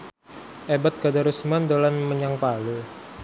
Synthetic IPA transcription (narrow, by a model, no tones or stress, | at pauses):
ʔebat̪̚ɡ̥adaɾusmand̪olanməɲaŋpalu